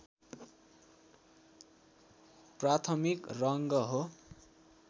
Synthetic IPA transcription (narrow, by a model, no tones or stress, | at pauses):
prat̪ʰʌmikrʌŋɡʌɦo